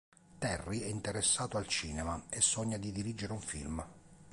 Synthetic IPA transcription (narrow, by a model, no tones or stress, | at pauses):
t̪ɛrːiɛint̪eɾesːaːt̪oalt͡ʃiːnɛmaesːɔɲːad̪id̪iɾid͡ʒeɾeuɱfḭlm